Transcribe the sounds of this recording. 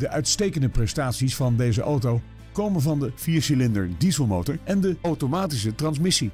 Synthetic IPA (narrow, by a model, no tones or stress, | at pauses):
dəʔœɥtstejkəndəprɛstaːtsisfɑndejzəʔowtow | kowmənvɑndəfiːɹsilɪndəɹdizəlˠmowtəɹʔɛndəowtomaːtis̬ətrɑnsmɪsi